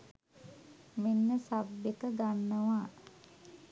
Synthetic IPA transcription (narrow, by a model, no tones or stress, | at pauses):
menːəsabjekəɡanːəʋaː